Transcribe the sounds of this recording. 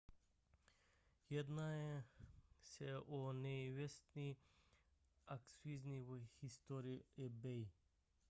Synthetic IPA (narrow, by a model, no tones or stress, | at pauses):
jed̪nae | seoneiʋest̪ni | aksizniʋəhist̪oɾiebej